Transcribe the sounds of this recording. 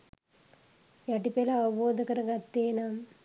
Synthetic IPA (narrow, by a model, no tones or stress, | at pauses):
jɐʈipelɐɐboːd̪ɐkɐɾɐɡɐt̪ːeːnɐm